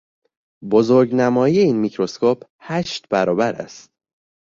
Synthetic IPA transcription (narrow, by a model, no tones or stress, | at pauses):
bozoɾɟnæmɒːjije̞iːnmicʰɾo̞skʰoːpʰ | hæʃt̪bæɾɒːbæɾæ̰st̪̚